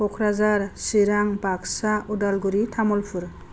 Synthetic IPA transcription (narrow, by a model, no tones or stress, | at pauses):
ɔkʰɾazaɾsiɾaŋbaksaudalɡuɾitʰamɔlpʰuɾ